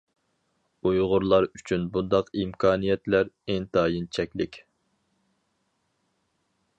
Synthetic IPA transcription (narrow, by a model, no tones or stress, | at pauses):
ujʁʊɾlˠɑɾyt͡ʃʰynbund̪ɑqimkʰɑːnijɛt̪læɾɛnt̪ʰɑːjint͡ʃʰɛkʲlɪkʲ